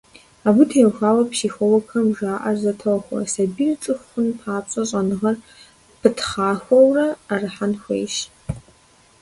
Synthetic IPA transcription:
aːbʊtʰeːwxʷaːwɐpʃiːxʷɔwɐkʰɐmʒaːʔɐrzɐtʰɐwxʷɔ̰sɐbiːrt͡sʼɨxʷxʷʊnpʰaːɕʼɐɕʼɐnɨʁɐr | pʰɨtʰχaːxʷɔwrɐarɨħanxʷḛjʃ

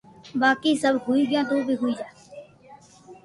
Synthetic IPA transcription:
baːkiːsəbɦuiːɡɪjãːt̪oːbʱiːɦʊiːd͡ʒaː

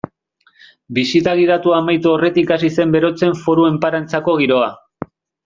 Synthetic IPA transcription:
bisit̪aɣið̞at̪uamajt̪uore̞t̪ikasise̞mbe̞ɾo̞t͡se̞ɱfo̞ɾue̞mpaɾant͡sako̞ɣ̞iɾo̞a

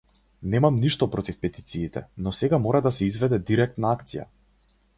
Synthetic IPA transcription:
nɛmamniʃt̪ɔpɾɔt̪ifpɛt̪i̥t̪siːt̪ɛ̰nɔsɛɡamɔɾad̪asɛizvɛd̪ɛd̪iɾɛk̚t̪naakt̪sija̰

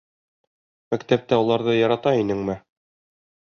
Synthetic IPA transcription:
mækt̪æp̚t̪æulˠɑɾðɤjɑɾɑt̪ɑinɘŋmɘ

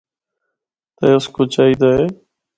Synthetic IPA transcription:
t̪əʊskoːt͡ʃaːiːd̪aːɦeː

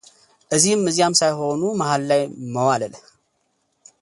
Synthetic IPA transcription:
ʔɨzimːɨzjamsajho̞numahalːajməwaləl

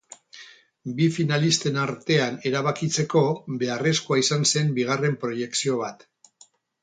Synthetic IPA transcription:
bifinalist̪e̞naɾt̪e̞ane̞ɾaβakit͡se̞ko̞βe̞are̞skuaisanse̞mbiɣ̞are̞mpɾo̞je̞ksio̞β̞at̪

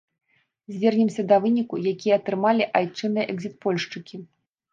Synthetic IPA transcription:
zʲvʲɛrnʲɛmsʲɐd̪ɐvɨnʲikujakʲijɐɐt̪ɾɨmalʲiʔajt͡ʂɨnɨjɐʔɛɡzʲit̪̚pɔlʲʂt͡ʂɨkʲi

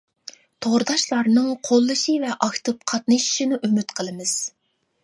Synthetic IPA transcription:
t̪ʰoʁɾɨd̪ɑʃlˠɑɾnɨŋqʰolˠːɨʃivɛʔɑkt̪ɨp̚qʰɑt̪̚nɨʃi̥ʃinɨʔymyt̪qʰəlˠɨmɨz̥

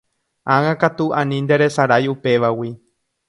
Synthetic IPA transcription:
ãŋãkat̪uãnĩnd̪e̞ɾe̞saɾajupe̞ʋawi

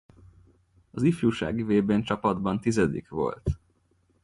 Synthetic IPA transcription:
ɒzifjuːʃa̰ːɡiveːbeːnt͡ʃɒpɒd̪bɒnt̪izɛd̪ḭkʋo̞̰lt̪

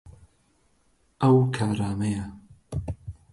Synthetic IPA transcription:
ʔɐwkʰaːɾaːmɐjɐ

